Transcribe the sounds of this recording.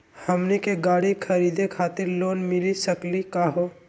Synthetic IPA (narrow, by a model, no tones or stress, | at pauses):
həmnikeɡaːɽikʰəɾiːd̪ekʰaːt̪ɪɾloːnmɪlisəklikaːɦoː